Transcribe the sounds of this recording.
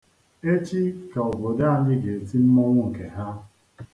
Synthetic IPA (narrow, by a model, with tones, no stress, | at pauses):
e˦t͡ʃi˦ka˨ɔ˨bɔ˨da˦a˨nɪ˦ɡe˨e˨ti˦m̩˦mɔ˦ŋʷʊ˦ŋ̩˨ke˨ɦa˦